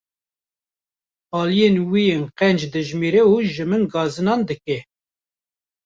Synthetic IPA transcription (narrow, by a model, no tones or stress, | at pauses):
ɑːlijenwijeːnqɛnd͡ʒd̪ɨʒmiɾɛuːʒɨmɨnɡɑːzɨnɑːnd̪ɨkɛ